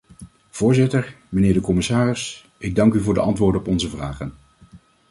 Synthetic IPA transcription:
v̥ʊːɹzɪtəɹ | mənɪːɹdəkɔmɪsaːrɪs | ʔɪɡ̚dɑŋkyvʊːɹdəʔɑntʋʊːɹdənɔpɔnzəvraːχən

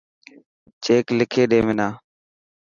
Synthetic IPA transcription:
t͡ʃeːklɪkʰeːɗeːmɪnaː

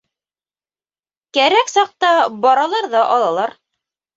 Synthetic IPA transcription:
kæɾæksɑq̚t̪ɑbɑɾɑlˠɑɾðɑʔɑlˠɑlˠɑɾ

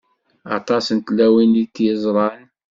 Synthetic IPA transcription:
ɑ̰t̪ˤɑsənt̪lːæwinlit̪ːjəzˤɾˤɑn

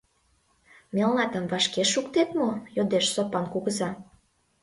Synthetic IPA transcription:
melnɑt̪ə̆mvɑʃkeʃukt̪et̪mojod̪eʃsopɑnkuɣə̆zɑ

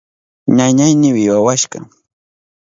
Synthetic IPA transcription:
ɲaɲajnɪwɪwawaʃɢɑ̰ŋ

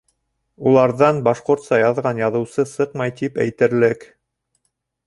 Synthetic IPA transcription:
ulˠɑɾðɑnbɑʃqŏɾt̪sɑjɑðʁɑnjɑðɤ̆wsɤsɤqmɑjt̪ipæ̰jt̪ɘ̆ɾlɘk

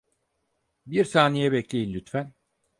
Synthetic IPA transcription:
biɾsaːnejɛbɛclʲejinlʲyt̪fæn

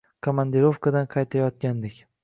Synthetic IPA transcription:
kʰomand̪eɾofkʰad̪anqʰɑjt̪ʰajɒt̪̚kʲand̪ɪkʲ

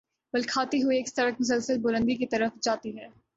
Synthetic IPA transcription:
bɐlkʰaːt̪iɦʊieːkst̪ɐɾək̚mʊs̬əlsəlbʊɾə̃nd̪ikit̪ɐɾəfd͡ʒaːt̪iɦɛː

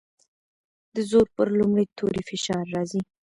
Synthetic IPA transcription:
d̪̥əzoɾpəɾlumɽet̪ʰoɾifɪʃɑɾːɑzi

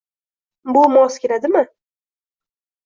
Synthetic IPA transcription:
bʊmɒskʲeɾad̪ɪmɪ

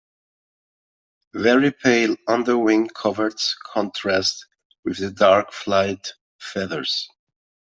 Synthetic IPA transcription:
vɛɹipʰeɪlʌ̃nðə˞wɪ̃ŋkʰʌvə˞tskʰɔ̃ntʰɹ̥æst̚ | wɨðɨdɑɹkflaɪt | fɛðə˞z̥

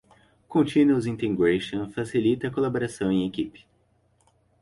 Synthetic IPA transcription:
kõnt͡ʃĩnuuzĩnt̪ẽŋɡɾeʃõfasilit̪ɐkolaboɾasɐ̃w̃ẽj̃ekipɪ̥

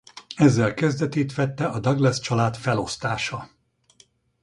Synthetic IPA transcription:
ɛzːɛlkɛzd̪ɛt̪eːt̪ʋɛt̪ːɛʔɒd̪ɒɡlɛst͡ʃɒlaːt̪fɛlo̞st̪aːʃɒ

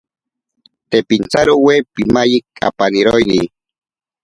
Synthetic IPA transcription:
t̪epint͡saɾowepimajikʼa̰paniɾojni

